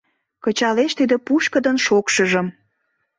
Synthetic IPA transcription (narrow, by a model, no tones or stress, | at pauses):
kət͡ɕɑleʃt̪id̪əpuʃkəd̪ənʃokʃəʒəm